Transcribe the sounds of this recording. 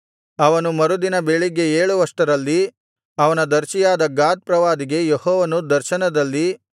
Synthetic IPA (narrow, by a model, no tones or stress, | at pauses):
ɐʋɐnumɐɾud̪inɐbeɭiɡe̞eːɭuʋɐʂʈɐɾɐlːi | ɐʋɐnɐd̪ɐɾt͡ʃijaːd̪ɐɡaːd̪̚pɾɐʋaːd̪iɡe̞jehɔːʋɐnud̪ɐɾʃɐnɐd̪ɐlːi